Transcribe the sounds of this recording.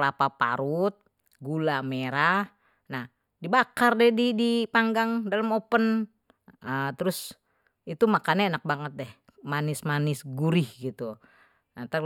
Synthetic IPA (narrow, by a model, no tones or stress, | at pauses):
lapapa̰ɾut̪̚ | ɡulameɾah | nah | dibakardɛdidipaŋɡaŋdaləmɔpən | ət̪ɾus | it̪umakananak̚baŋət̪̚dɛh | manismanisɡuɾihɡit̪u | nat̪ə